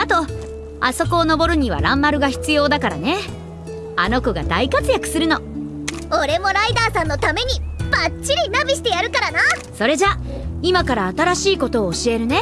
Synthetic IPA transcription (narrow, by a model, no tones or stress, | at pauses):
at̪o̞ | a̰so̞ko̞ːno̞bo̞ɾɯ̟ɲ̟iβ̞a̰ɾãmːaɾɯ̟ɡaçi̥t͡sɨjo̞ːd̪akaɾa̰ne̞ | ano̞kɯ̟ɡa̰d̪aikat͡sɨjakɯ̟̥sɨɾɯ̟no̞ | oɾe̞mo̞ɾaid̪aːsãnːo̞t̪ame̞ɲ̟ib̥att͡ɕːiɾʲinabʲiɕi̥t̪e̞jaɾɯ̟kaɾanaso̞ɾe̞ʑa | imakaɾaːt̪aɾaɕiːko̞t̪o̞ːɕie̞ɾɯ̟ne̞